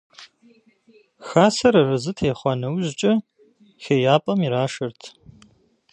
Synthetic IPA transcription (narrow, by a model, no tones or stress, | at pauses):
xaːsɐɾɐrɨzɨtʰeːχʷɑnɐwʑt͡ʃʼɐ | xeːjaːpʼɐmiɾaːʃɐrtʰ